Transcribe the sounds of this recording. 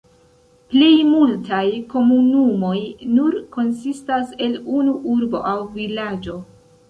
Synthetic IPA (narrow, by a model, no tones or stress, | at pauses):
plejmultajko̞munumo̞jnuɾko̞nsistase̞lunuʔuɾbo̞̰ʔawvilad͡ʒo̞